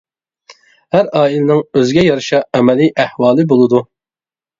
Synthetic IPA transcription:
hæɾɑːilɪnɪŋøzɡʲɛjɑɾɨʃɑɛmɛliʔæhwɑːlˠɨbolˠɨd̪u

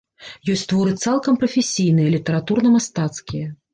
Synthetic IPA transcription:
jɔsʲt͡sʲt̪vɔɾɨt̪salˠkɐmpɾɐfʲesʲijnɨjɐlʲit̪ɐɾat̪urnɐmast̪at̪skʲijɐ

